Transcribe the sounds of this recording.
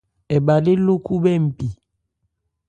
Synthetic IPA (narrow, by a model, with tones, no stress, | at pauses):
ɛ˨ba˨le˦lo˦ku˦bɛ˦˨m̩˨pi˨